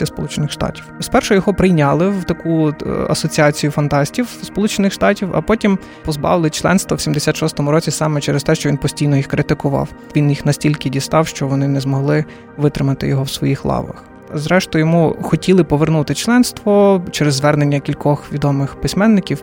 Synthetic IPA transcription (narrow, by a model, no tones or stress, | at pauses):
ɐspɔlˠut͡ʃenɪxʃt̪ɑ̰tʲiwspɛrʃʊjɔɦɔpɾɪjnʲɑlˠɪwt̪ɐkuɐ̰sɔt͡sʲiɑt͡sʲijufɐnt̪ɑsʲtʲiwspɔlˠut͡ʃenɪxʃt̪ɑtʲiwɐ̰pɔtʲim | pɔzbɑ̰ʋɪlˠɪt͡ʃlˠɛ̰nst̪ʋɔwsʲimd̪esʲat̪ʃɔst̪ɔmʊɾɔt͡sʲisɑmɛt͡ʃɛɾest̪ɛʃt͡ʃɔʋʲinpɔsʲtʲijnɔjixkɾɪt̪ɪkʊʋɑ̰wʋʲinjixnɐsʲtʲilʲkɪdʲist̪ɑwʃt͡ʃɔʋɔnɪnɛzmɔɦlˠɪ | ʋɪt̪ɾɪmɐt̪ɪ̰jɔɦɔwsʋɔjixlˠɑ̰ʋɐ̰x | zɾɛʃt̪ʊjɔmuxɔtʲilˠɪpɔʋernut̪ɪt͡ʃlˠɛnst̪ʋɔt͡ʃɛɾezːʋɛrnenʲːɐkʲilʲkɔxʋʲid̪ɔmɪxpɪsʲmɛnːɪkʲiw